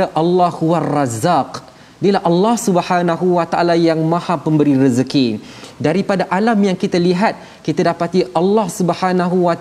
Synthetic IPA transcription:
aʔalːɑhhuarɑzaq | dilaɦʔɑlːɑhsubahanaɦuwat̪aʔalajaŋmãhapəmbəɾiɾəzəki | daɾipadaʔalamjaŋkit̪aliɦat̪̚ | kit̪adapat̪iʔɑlːɑhsubhanaɦuwat̪

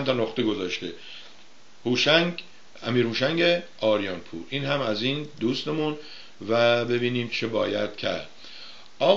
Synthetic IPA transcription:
mt̪ʰɒnoχt̪eɡo̞zɒːʃt̪e | huːʃæŋ | æmiːɾhuːʃæŋɡe | ɒːɾjɒːnpʰṵːɾʔiːnɦæmæziːnd̪uːst̪e̞mun | væbe̞biːniːmt͡ʃʰebɒːjæd̪̥̚cʰæ̰ɾd̪̥̚ | ʔɒː

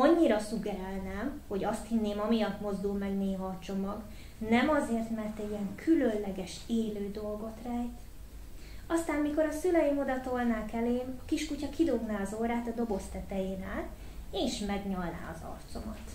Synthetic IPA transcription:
ɒɲːiɾɒsuɡɛɾɛlnɛmho̞ɟɒst̪hinːeːmɒmijɒt̪mo̞zd̪ulmɛɡneːɦɒːt͡ʃo̞mɒɡ | nɛmɒzeːrt̪mɛrt̪ɛɟiɛŋkʰylønlɛɡɛʃeːløːd̪o̞lɡo̞t̪rɛjt̪ | ɒst̪aːmmiko̞ɾɒsylɛjimo̞d̪ɒt̪o̞lnaːkɛleːmɒkiʃkucɒkid̪o̞ɡnaːɒzoːɾaːt̪ɒd̪o̞bo̞st̪ɛt̪ɛjeːnaːl | eːʃmɛɡɲɒlna̰ːɒzɒ̰rt̪so̞mɒt̪

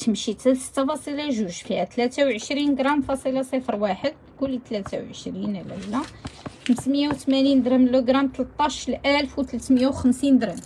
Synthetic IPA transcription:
t̪əmʃit̪sə̥t̪ːɑfɑsˤilɑʒuʒfihæt̪læt̪æwʕəʃɾinɡɾˤɑmfɑsˤilɑsˤefɾwaħəd̪̚ | kʊlːt̪læt̪awʕəʃɾinʕlælːæxəmsmjawt̪mænind̪ɾæmluɡɾˤɑmt̪əlt̪ˤːɑʃlʔælfwt̪læt̪məjawxəmsind̪ɾæm

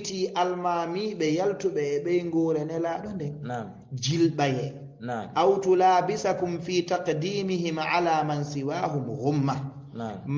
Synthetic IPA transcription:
tiːʔalmaːmiːɓɛjaltuɓɛːɓɛjŋɡɔːɾɛnɛlaːɗɔndɛn | d͡ʒilɓajɛ | ʔawtulaːbisakumfiːtaqdiːmiɦimʕalaːmansiwaːɦumhumːa | m

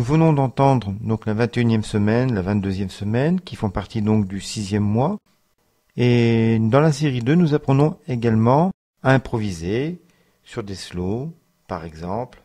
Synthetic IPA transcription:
nuvənɔ̃d̪ɑ̃t̪ɑ̃d̪ʁd̪ɔ̃klavɛ̃t̪eynjɛmsəmɛnlavɛ̃t̪̚d̪øzjɛmsəmɛnkʲifɔ̃paʁt̪id̪ɔ̃kd̪ysizjɛmːwa | ed̪ɑ̃laseʁid̪ønuzapχənɔ̃eɡalmɑ̃ | aɛ̃pχɔvize | syʁd̪eslo | paʁɛɡzɑ̃pl

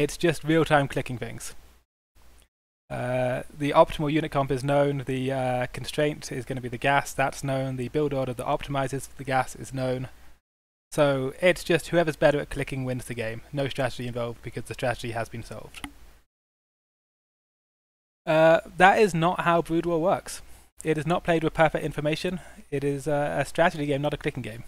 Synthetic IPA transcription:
ɪtsd̥ʒ̥ʌst̚ɹiəlˠtʰãɪ̃mkʰl̥ɪkɪ̃ŋθɪ̰̃ŋz̥ | ʌðiʔɑp̚tʰɪml̩ˠjʉnɨt̚kʰʌ̃mpɨznõʊ̃nðɨʌkʰn̩stɹ̥ẽɪ̃ntʰɪzɡʌnəbiðɨɡæsðətsnõʊ̃nðɨbɪlˠdɔɾəvðḭʔɑp̚tʰɪmaɪzɪzʌvðɨɡæsɪ̰znõʊ̃n | soʊɪtsd̥ʒ̥ʌst̚hʉɛvə˞zbɛɾə˞ɨt̚kʰl̥ɪkɪ̃ŋwɪ̃nzðɨɡẽɪ̃mnoʊstɹ̥æɾɨd͡ʒiɨ̃ɱvɑlˠvd̚b̥ɨkʰʌzðɨstɹ̥æɾɨd͡ʒiəzbɨ̃nsɒ̰lˠvd̥ | ʌðəɾɪznəʔ̚haʊbɹʉdwəlˠwɜˑ˞ks | ɪɾɨznət̚pʰl̥eɪdwɨð̥pʰɜ˞fɛk̚tɪ̃ɱfə˞meɪʃɨ̃nɪɾɪzʌəstɹ̥æɾɨd͡ʒiɡẽɪ̃mnəɾɨkʰlɪkɪ̃ŋɡẽɪ̃m

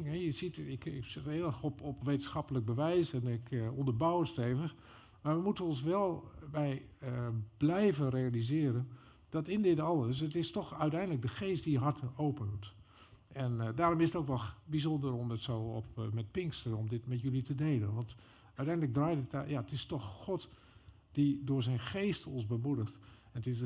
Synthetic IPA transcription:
ŋɛjəzitɪkɪksɪtɪlˠɛxɔpɔpʋeːtənsxɑpələk̚bəʋɛjsɛnɪkɔndəɹbawətsteːvəx | maːɹʋəmutəɔns̬ʋɛlˠbɛj | b̥lɛjvənrejalizɪəɾən | d̥ɑtɪndɪtɑlˠəs̬ətɪstɔxœɥtɛjndlək̚dəxeːst̚d̥ijəɦaɹtʰəoːpənt | ɛndaːɾɔmɪsətowkʋɛlˠbizɔndəɾɔmdətsowɔpmɛt̚pɪŋkstənɔmdɪtmɛtjølitədejlənʋɑnt | œɥtɛjndələɡ̚draːjtətjaətɪstɔxxɔt | d̥idʊːɹzɛjnxeːstɔ̃nzbəmudəxtɛnətɪs

